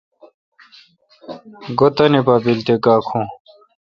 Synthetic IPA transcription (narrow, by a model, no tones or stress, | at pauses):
ɡot̪ɐnipabilt̪ekaːkʰũ